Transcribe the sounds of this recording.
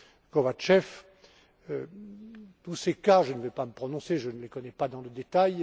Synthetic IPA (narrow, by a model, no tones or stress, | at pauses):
kɔvat͡ʃɛf | ø | t̪usekaʒənəvɛpaməpχɔnɔ̃seʒənəlekɔnɛpad̪ɑ̃ləd̪et̪aj